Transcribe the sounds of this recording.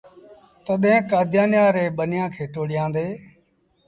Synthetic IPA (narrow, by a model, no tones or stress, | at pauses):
t̪əɗɦẽːkaːd̪ʱjaːnjãːɾeːɓənɪjãːkʰeːʈoːɽɪjãːnd̪eː